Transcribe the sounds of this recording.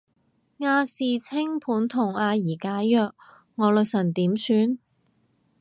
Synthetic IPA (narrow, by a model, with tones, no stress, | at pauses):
ŋaː˧siː˨˩t͡sʰɪ˥ŋpʰuː˨˥nt̪ʰʊ˨˩ŋaː˧jiː˨˩kaː˨˥jœː˧k̚ | ŋɔː˨˧lɵː˨k̚sɐ˨˩nt̪iː˨˥msyː˧˥n